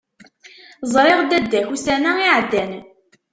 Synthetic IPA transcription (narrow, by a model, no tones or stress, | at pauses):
zˤɾˤeʁd̪æd̪ːæçusænæiʕd̪ːæn